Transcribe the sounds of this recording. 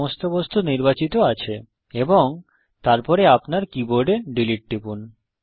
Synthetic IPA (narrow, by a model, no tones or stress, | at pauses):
ost̪obost̪ʰuniɾbat͡ɕit̪oat͡ɕʰe | eboŋ | t̪aɾpɔɾeapnaɾkiboɾɖeɖiliʈ̚ːʈipun